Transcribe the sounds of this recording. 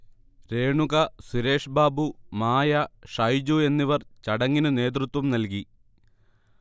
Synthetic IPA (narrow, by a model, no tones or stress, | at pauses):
ɾe̞ːɳuɣɐsiɾe̞ːʂbaːbumaːjɐʂɐjd͡ʑue̞nːiʋɐrt͡ɕɐɽɐŋːinɨne̞ːt̪̬rut̪wɐmnɐlk̬i